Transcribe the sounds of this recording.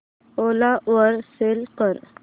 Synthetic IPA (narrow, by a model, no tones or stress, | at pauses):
oːlaʔəɾselkəɾ